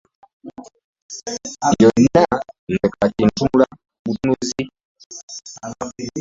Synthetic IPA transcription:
jɔinanɛkacintumula | butunuzi

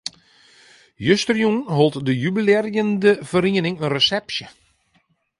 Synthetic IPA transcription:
jøstrjunɦolˠtdəjybilɛrjəndəv̥əɾiənɪŋənrəsɛpsjə

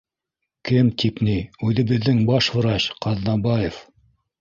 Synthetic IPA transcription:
kɘmt̪ipniʉðɘ̆βɘ̆ðːɘŋbɑʃhŏɾɑɕqɑðnɑbɑjef

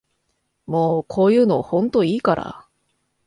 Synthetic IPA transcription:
moːkʰo̞ːjɯ̟ːno̞hõ̞nt̪o̞iːkaɾa̰

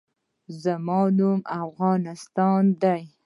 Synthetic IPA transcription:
zəmɑnumafɣɑnɪst̪ɑnd̪aj

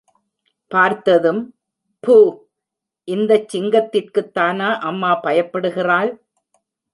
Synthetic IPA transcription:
paːɾt̪ɐðɯm | puː | ʔɪnd̪ɐt͡ʃːɪŋɡɐt̪ːɪrkɯt̪ːaːnaːʔɐmːaːpɐjɐpːɐɽɯɣɪraːl

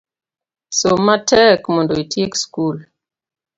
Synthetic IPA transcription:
somatɛkmɔndoitʰjekskul

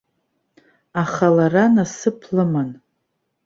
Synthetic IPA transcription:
aχalaranasɨpʰlɨman

